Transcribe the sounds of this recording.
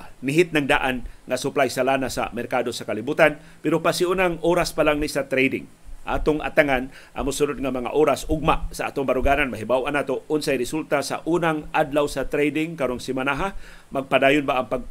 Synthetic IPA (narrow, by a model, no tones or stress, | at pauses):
nɪɦɪt̪̚naŋd̪aʔanŋasʊplajsalaːnasa̰mɛɾkaːd̪osakalibuːt̪an | pɛɾopasiunaŋoːɾaspalaŋnisat̪ɾɛjd̪ɪ̰ŋ | ʔa̰ːt̪oŋʔa̰t̪aŋan | ʔa̰mʊsʊnod̪̚ŋamaŋa̰ʔoːɾasʊɡ̚masaʔa̰ːt̪oŋbaɾʊɡaːnanmaɦibawʔanaːt̪oʊnsajɾɪsult̪asa̰ʔuːnaŋʔad̪lawsat̪ɾɛjd̪ɪŋkaɾoŋsɪmanaɦa | maɡ̚padaːjʊnbaʔaŋpaɡ̚